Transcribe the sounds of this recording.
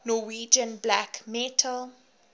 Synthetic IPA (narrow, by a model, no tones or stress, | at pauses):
nɔwiːd͡ʒə̃nblakmɛtʰəl